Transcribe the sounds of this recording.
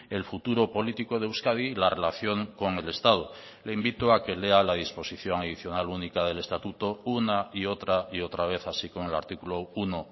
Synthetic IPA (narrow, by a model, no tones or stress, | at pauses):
e̞lfut̪uɾo̞po̞lit̪iko̞ð̞ewskaðilare̞laθjo̞ŋko̞ŋe̞le̞st̪að̞o | le̞imbit̪oake̞le̞alaðispo̞siθjo̞ŋaðiθjo̞nalunikaðe̞le̞st̪at̪ut̪o̞unaio̞t̪ɾaio̞t̪ɾaβ̞e̞θasiko̞ŋe̞la̰ɾt̪ikulouno